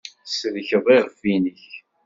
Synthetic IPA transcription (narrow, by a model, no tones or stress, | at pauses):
səðçəðˤiʁfinəç